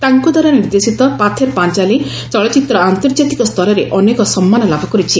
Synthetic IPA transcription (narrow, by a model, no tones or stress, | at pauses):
t̪aŋkɔd̪ʱwaɾaniɾd̪esit̪ɔpat̪ʰeɾpant͡ʃali | t͡ʃɔɭɔt͡ʃit̪ɾɔant̪ɔɾd͡ʒat̪ikɔst̪ʰɔɾɔɾeʔɔnekɔsɔmːanɔlabʱɔkɔɾit͡ʃʰi